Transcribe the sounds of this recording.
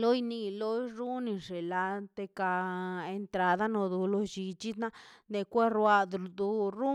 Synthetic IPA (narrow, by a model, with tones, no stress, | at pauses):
lo˦jni˧lo˦ɾu˦ni˧ʐe˨la˧t̪e˧ka˧e˧nt̪ɾa˧d̪a˦no˧d̪u˧lo˧d͡ʒi˧t͡ʃi˦d̪na˦ne˧kʷe˦ɾwa˧d̪d̪u˧ɾu˦